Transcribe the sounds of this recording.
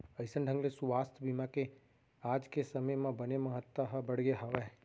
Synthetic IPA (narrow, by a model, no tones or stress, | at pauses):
əjsəɳɖʱə̃ŋɡlesuʋast̪ʰbimãke | ad͡ʒkesəməjmãbəneməɦət̪ːaɦəbəɽɡeɦəʋe